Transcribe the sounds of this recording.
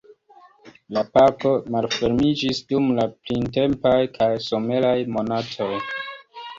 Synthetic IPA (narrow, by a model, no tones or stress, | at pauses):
lapako̞malfe̞ɾmid͡ʒisdumlaplinte̞mpajkʰajso̞me̞lajmo̞natʰo̞j